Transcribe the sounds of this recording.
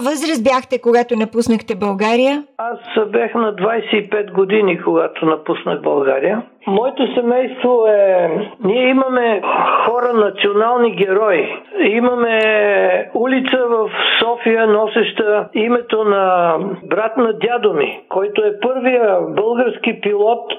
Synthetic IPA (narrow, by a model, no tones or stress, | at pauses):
vəzɾəsbjaxt̪ɛkoɡat̪onɐpusnəxt̪ɛbɐlˠɡaɾijəasbʲjaxnɐd̪vajsɛipɛt̪ɡod̪inikoɡat̪onɐpusnəxbɐ̰lˠɡaɾijə | mɔɛt̪osɛmɛjst̪voɛniɛimɐmɛxɔɾənɐt̪sionalˠniɡʲɛɾɔjiimɐmɛ | ulit̪səvɐfsɔfijənɔsɛʃt̪əimɛt̪onɐbɾat̪nɐd̪ʲjad̪omikɔjt̪oɛpɤɾvijəbəlˠɡəɾsk̟ipilˠɔt̪